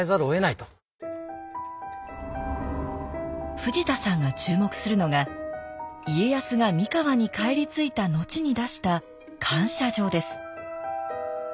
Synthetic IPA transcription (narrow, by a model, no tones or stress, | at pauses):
ezaɾɯoe̞nait̪o̥ | ɸɯ̟ʑit̪asãŋɡat͡ɕɨːmo̞kɯ̟̥sɨɾɯ̟no̞ɡa | ie̞jasɨɡamʲikaβaɲ̟ikaeɾʲit͡sɨit̪ano̞t͡ɕiɲ̟id̪aɕi̥t̪a | kʰãɰ̃ɕaʑo̞ːd̪e̞sɨ̥